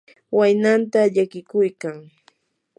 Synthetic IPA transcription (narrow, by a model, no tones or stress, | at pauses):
wajnant̪aʎakɪkʊjkaŋ